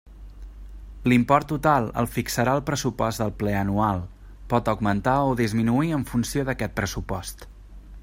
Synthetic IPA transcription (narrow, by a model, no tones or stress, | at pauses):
limpɔrt̪ːut̪alˠə̰lˠfiksəɾaəlˠpɾəsupɔzd̪əlˠplɛənualˠ | pɔt̪əɡmənt̪aoðizminuiəɱfunsioðəkɛt̪̚pɾəsupɔst̪